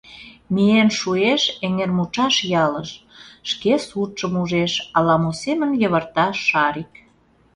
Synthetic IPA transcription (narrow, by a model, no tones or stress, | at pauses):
mienʃueʃeŋermut͡ʃɑʃjɑləʃʃkesut͡ʃəmuʒeʃɑlɑmosemənjə̆βərt̪ɑʃːɑɾik